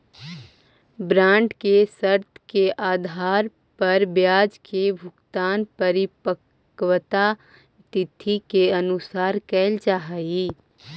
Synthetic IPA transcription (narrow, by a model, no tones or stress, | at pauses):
bɾãːɳʈkesəɾt̪ʰkeʔaːd̪ʱaːɾ | pɐɾbjaːd͡ʒkʰebʱʊkt̪aːnpəɾɪpək | wt̪a | t̪ɪt̪ʰːikeənʊsaːɾkɛɪld͡ʒaːɦaiː